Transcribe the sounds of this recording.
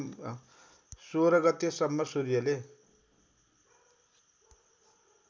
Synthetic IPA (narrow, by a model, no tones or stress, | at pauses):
soɾʌɡʌt̪esʌmːʌsurjʌle